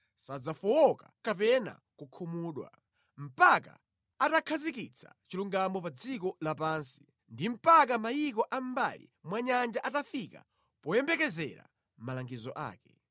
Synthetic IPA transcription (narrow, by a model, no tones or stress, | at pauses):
sad͡zafɔwɔkakapɛna̰ | kukʰumuːɗwa̰ | m̩paka̰ | atakʰazikit͡sʰa̰t͡ʃiluŋɡamɔpad͡zikɔlapaːnsi̥ | ndim̩pak̬amajikɔʔam̩ba̰lḭmwaɲand͡ʒaʔatafika̰ | pɔjɛmbɛkɛzɛ̰ɾa̰ | m̩malaŋɡizɔʔa̰ːkɛ̥